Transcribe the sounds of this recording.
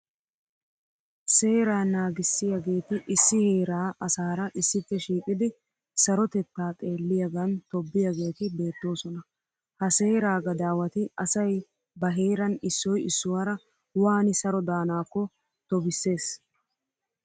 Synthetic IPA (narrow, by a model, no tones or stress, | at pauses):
se̞ːɾaːnaːɡɪsːɪjaɡe̞ːt̪ɪʔɪsːɪheːɾaːʔɐsaːɾɐʔɪsːɪtːɛʃiːkʼɪd̪ɪ | sɐɾɔt̪ɛt̪ːaːt̪ʼe̞ːlːɪjɐɡɐnt̪ɔbːɪjɐɡe̞ːt̪ɪbe̞ːt̪ːo̞ːsɔnɐ | hɐse̞ːɾaːɡɐd̪aːwɐt̪ɪɐsɐj | bɐɦe̞ːɾɐnɪsːɔjɪsːʊwaːɾɐ | waːnɪsɐɾɔd̪aːnaːkːɔ | t̪ɔbɪsːe̞ːs